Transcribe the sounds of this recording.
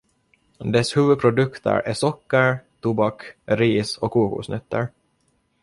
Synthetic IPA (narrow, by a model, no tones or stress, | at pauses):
d̪ɛshʉːvɵd̪̚pʰɾʊd̪ɵkt̪ʰə̰ɾʔæsɔkːəɾt̪ʰubɑkɾiːsɔkʰːuːkṵsnœt̪ːə̰ɾ